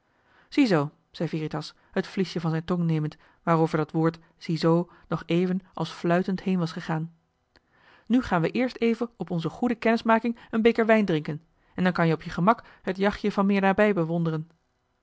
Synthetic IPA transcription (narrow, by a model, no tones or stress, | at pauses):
z̥izow | z̥ɛjviːritɑs | hətfliʃjəvɑnzɛjntɔŋnejmənt | ʋaːrowvəɹdɑtʋʊːɹt | z̥izow | nɔχejvənʔɑ̰lˠsflœɥtəntɦejnʋɑsχəχaːn | nyχaːnʋəʔɪːɹstejvəɔpɔnzəχudəkɛnəsmaːkɪŋənbekəɹʋɛjndrɪŋkən | ɛndɑnkɑnjəɔpjəχəmɑk | ɦətjɑχjəvɑnmɪːɹdaːɹbɛjbəʋɔndərən